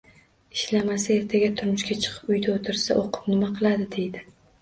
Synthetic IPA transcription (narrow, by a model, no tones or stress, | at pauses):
ɪʃlamasae̞ɾt̪ʰaɡʲat̪ʰʊɾmʊʃkʲat͡ʃʰɨ̥qʰɨ̥pʊjd̪aot̪ʰɪɾsa̰ʔoqʰʊ̥pnɪmaqʰɨlˠad̪ɪd̪e̞jd̪ɪ